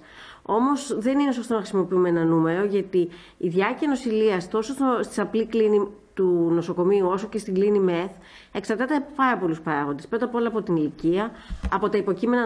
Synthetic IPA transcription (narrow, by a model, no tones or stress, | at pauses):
o̞mo̞sðe̞ninesost̪o̞nɐxɾisimo̞piumenɐnume̞ɾo̞ʝɐt̪iː | ðʝɐciɐno̞siliɐst̪o̞sost̪ost̪isɐpliklinit̪uno̞so̞ko̞miuo̞so̞ce̞st̪iɡlinimeθ | e̞ksɐɾt̪ɐt̪epɐɾɐpo̞luspɐɾɐɣo̞nd̪espɾo̞t̪ɐpo̞lɐːpo̞t̪iniliciɐːpo̞t̪ɐipo̞cime̞nɐ